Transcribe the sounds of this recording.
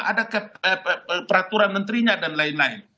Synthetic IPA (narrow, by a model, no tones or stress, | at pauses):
adakahəpəɾat̪uɾanmənt̪ɾiɲadanlaɪnlaɪn